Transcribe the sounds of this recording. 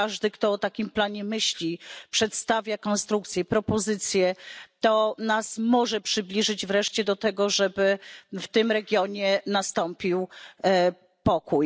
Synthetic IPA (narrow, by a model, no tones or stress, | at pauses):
aʐd̪ɘkt̪ɔːt̪akʲimplaɲɛmɘɕlʲipʂɛt̪st̪avʲjakɔnst̪ɾukt̪sʲjɛpɾɔpɔzɘt̪sʲjɛt̪ɔnasmɔʐɛpʂɘblʲiʐɘd͡ʑvɾɛʂt͡ɕɛd̪ɔt̪ɛɡɔʐɛbɘft̪ɘmɾɛɡʲjɔɲɛnast̪ɔmpʲiw | pɔkuj